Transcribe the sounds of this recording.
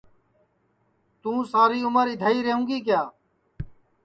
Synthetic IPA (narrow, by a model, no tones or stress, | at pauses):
t̪ũːsaːɾiːʊməɾɪd̪ʱaːiːɾeɦũːɡiːk̬jaː